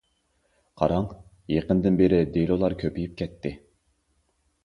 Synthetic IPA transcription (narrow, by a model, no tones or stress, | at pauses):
qʰɑ̰ɾɑŋ | jeqənd̪ɪnbeɾɪd̪elˠolˠɑɾkʲʰøpijip̚kʲʰɛt̪ʰːɪ